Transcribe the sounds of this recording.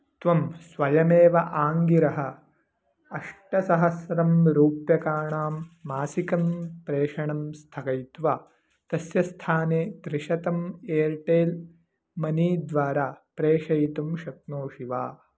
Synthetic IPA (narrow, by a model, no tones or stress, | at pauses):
t̪ʋɐmsʋɐjɐmeːʋɐʔaːŋɡiɾɐɦɐ̆ | ɐʂʈɐsɐɦɐsɾɐmɾuːpjɐkaːɳaːmːaːsikɐmpɾeːʂɐɳɐmst̪ʰɐkɐjt̪ʋaː | t̪ɐsjɐst̪ʰaːneːd̪ɾɪʂɐt̪ɐmeːɾʈeːl | mɐniːd̪ʋaːɾaːpɾeːʂɐjt̪umʃɐt̪̚noːʃiʋaː